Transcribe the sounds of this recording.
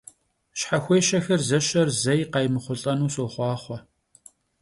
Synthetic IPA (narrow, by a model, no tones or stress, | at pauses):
ʃħaxʷejʃɐxɐrzɐʃɐrzɐjqɑjmɨχʷʊɬʼɐnuːsoːχʷɑːχʷɔ